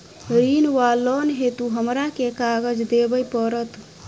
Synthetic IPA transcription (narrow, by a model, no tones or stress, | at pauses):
ɾinwalːɔnɦet̪uɦəmɾakekaɡəd͡ʒd̪ebəjpəɾət̪